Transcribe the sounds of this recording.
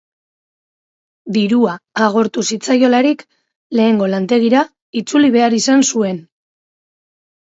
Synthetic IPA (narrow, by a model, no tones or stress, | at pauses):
d̪iɾuaːɣ̞o̞ɾt̪usit͡sajo̞laɾik | le̞ːŋɡo̞lant̪e̞ɣ̞iɾa | it͡suliβ̞e̞aɾisansue̞n